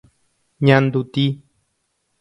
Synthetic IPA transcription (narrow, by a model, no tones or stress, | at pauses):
ɲãnd̪ut̪i